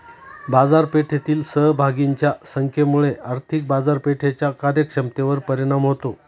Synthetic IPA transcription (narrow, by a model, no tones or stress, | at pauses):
bad͡zaɾpeʈʰet̪iːlsəɦbʱaɡiɲt͡ɕjasəŋkʰjemuɭeaɾt̪ʰik̚bad͡zaɾpeʈʰet͡ɕjakaɾjəkʂəmt̪eʋəɾpəɾiɽ̃amɦot̪o